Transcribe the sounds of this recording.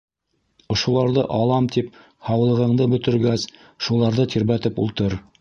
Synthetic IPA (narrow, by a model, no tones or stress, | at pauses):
ŏʃulˠɑɾðɤʔɑlˠɑmt̪ip̚ | hɑwlˠɤ̆ʁɤ̆ɴd̪ɤbɵ̆t̪ɘ̆ɾɡæs | ʃulˠɑɾðɤt̪ʰiɾβæt̪ɘpṵlˠt̪ɤɾ